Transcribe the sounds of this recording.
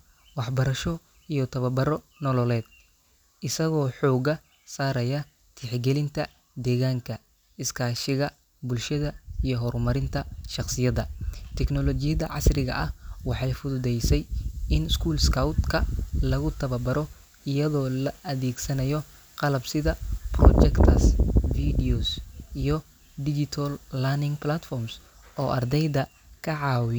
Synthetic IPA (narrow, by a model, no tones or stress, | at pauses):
wɑħbɐɾɐʃɔ | ijɔt̪ʰɐβɐbɐɾɔnɔlɔlɛːd̪ | ʔɪsɐɣɔːħɔːɣɐ | saːɾɐjɐ | t̪ʰɪħɡɛlɪnt̪ʰɐ | d̪ɛːɣaːŋkʰɐ | ɪskʰaːʃɪɣɐ | bʊlʃɐðɐijɔɦɔrmɐɾɪnt̪ʰɐʃɑqsɪjɐðɐt̪ʰɛknɔlɔt͡ʃɪjɐðɐʕɑ̰srɪɣɐ̰ʔɐhwɑħɑjfʊðʊðɛjsɛjɪnɪskʰuːlskʰɐwt̪kʰɐlɐɣʊt̪ʰɐβɐbɐɾɔ | ɪjɐðɔːlɐʔɐðɛːɡsɐnɐjɔ | qɑlɐbsɪðɐprɔ̰t͡ʃɛkt̪ʰɐsfid̪iɔsijɔ | d̪ɪt͡ʃɪt̪ʰɔlːɐnɪŋplat̪fɔrms | ʔɔːʔɐ̰rd̪ɛjd̪ɐ | kʰɐʕɑːwɪj